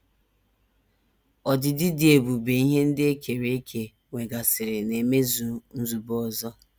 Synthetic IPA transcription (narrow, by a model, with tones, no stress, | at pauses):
ɔ˨dɪ˨dɪ˦dɪ˨e˨bu˨be˨i˦ɦe˦n̩˦dɪ˦e˦kʰe˨ɾe˦kʰe˨ | ŋʷe˨ɡa˨sɪ˨ɾɪ˨ne˨me˦zu˨n̩˦zu˨bɔ˦˨zɔ˦